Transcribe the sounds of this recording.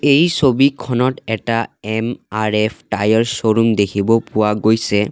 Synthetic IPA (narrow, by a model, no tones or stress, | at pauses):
ejsobikʰɔnɔtɛtaɛmaɹɛpʰʈajɔɹsoɹumdekʰibɔpʊwaɡojsɛ